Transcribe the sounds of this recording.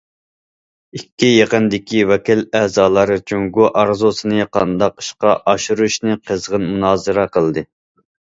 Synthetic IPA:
ikʲːijeqənd̪ɪkʲiwɛkʲilæzɑːlˠɑɾɨt͡ʃʰøŋɡuʔɑɾzusɨnɨqʰɑnd̪ɑqɨ̥ʃqɑʔɑʃuɾuʃnɨqʰəzʁənmunɑːzɨɾɑqəlˠd̪ɨ

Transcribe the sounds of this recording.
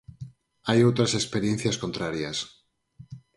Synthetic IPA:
ajowt̪ɾasekspeɾjẽ̞n̟θjasko̞nt̪ɾaɾjas

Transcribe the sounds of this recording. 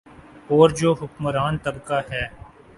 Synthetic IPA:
ɔːɾd͡ʒoːɦʊkməɾaːnt̪ɐbkaɦɛː

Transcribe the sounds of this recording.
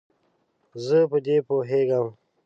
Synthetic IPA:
zəpəd̪epoɦeɡəm

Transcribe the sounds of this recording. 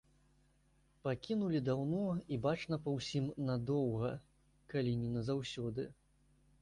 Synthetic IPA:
pakʲinulʲid̪awnɔibat͡ʂnɐpɐwsʲimnad̪ɔwɣɐ | kalʲinʲinɐzawsʲɔd̪ɨ

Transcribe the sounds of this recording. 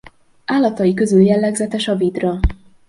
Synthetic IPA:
aːlːɒt̪ɒjikø̞zyljɛlːɛɡzɛt̪ɛʃɒviːd̪rɒ

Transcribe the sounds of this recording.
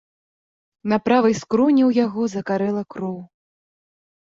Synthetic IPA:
napɾavɐjskɾɔnʲɛwjaɣɔzɐkaɾɛlˠɐkɾɔw

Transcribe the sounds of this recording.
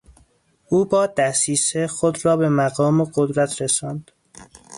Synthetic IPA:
ʔuːbɒːd̪æsiːsexod̪ɾɒːbemæɣɒːmeɢod̪ɾæt̪ʰɾesɒːnd̪̥

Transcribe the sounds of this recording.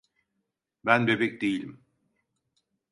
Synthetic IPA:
bænbe̞bɛc̚d̪ejilʲim

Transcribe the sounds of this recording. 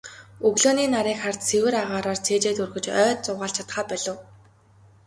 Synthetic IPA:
ɵɣɮoːniːnaɾiːkχart̪sʰewɘ̆ɾaʁaːɾaːrt͡sʰeːt͡ɕeːt̪urxɵ̆t͡ɕœːt̪̚t͡sʊːʁaːɬt͡ɕʰḁt̪χaːpæɮə̆w

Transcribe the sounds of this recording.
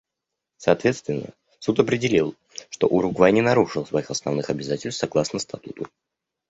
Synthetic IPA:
sɐːt̪vʲe̞t̪st̪vʲɪnːə̰ | sut̪ɐpɾʲɪdʲɪlʲilˠ | ʂt̪o̞̰ʔʊɾʊɡvajnʲɪnɐɾuʂɨlˠsvɐixɐsnɐvnɨxɐbʲɪzatʲɪlʲsʲt̪sɐɡlˠasnəst̪ɐt̪ut̪ʊ

